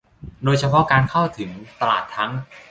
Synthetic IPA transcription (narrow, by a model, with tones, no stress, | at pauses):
doː˧jt͡ɕʰa˧pʰɔ˦˥kaː˧nkʰa˥˩wt̪ʰɯ˩˦ŋt̪a˧la̰ː˨˩t̪ʰːa˦˥ŋ